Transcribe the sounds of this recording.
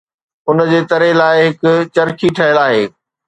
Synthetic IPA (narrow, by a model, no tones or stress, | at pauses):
ʊnd͡ʑeːt̪ɐɾelaːɪɦɪkʊ̆t͡ɕɐɾkʰiʈʰɐɦɪəlaːɦḛː